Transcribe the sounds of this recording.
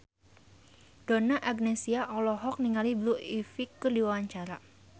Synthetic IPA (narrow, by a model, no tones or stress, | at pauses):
d̥onaʔaɡnesiaʔɔlɔɦɔk̚niŋalibluifikːərdiwawaɲt͡ʃaɾa